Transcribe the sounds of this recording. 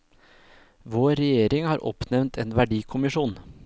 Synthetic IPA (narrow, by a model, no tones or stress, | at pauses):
ʋoːɾɛjeːɾɪŋhɑːɾʔɔ̰pnɛʋnt̪ʰeːnʋæɖiːkʰʊmɪʂuːn